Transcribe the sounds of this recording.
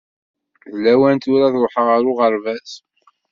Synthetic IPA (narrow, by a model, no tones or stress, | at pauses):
ðlæwænt̪ʊɾaðʊħəʁaɾʊʁəɾvæs